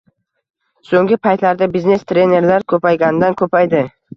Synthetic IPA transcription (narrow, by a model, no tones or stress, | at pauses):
soŋɡʲɪpʰajt̪laɾd̪abizne̞st̪ʰɾʲe̞ne̞ɾlaɾkʰɵpajɡʲanɪd̪ankʰɵpajd̪ɪ